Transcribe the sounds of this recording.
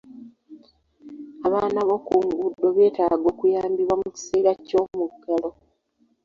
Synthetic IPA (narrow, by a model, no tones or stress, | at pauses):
aβaːnaβo̞kuŋɡudːo̞βe̞ːtaːɡo̞ːkujaːmbiβwamuci̥seːɾaco̞ːmukːelo̞